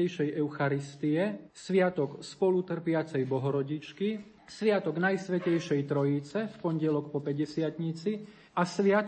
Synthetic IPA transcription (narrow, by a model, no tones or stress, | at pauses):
ɛjʃɛjɛʊxaɾist̪iɛsʋɪat̪ɔkspɔlut̪r̩pɪat͡sɛjbɔɦɔɾɔɟit͡ʃki | sʋɪat̪ɔɡnajsʋɛcɛjʃɛjt̪ɾɔjit͡sɛfpɔɲɟɛlɔkpɔpɛɟɛsɪat̪ɲit͡si | asʋɪat̪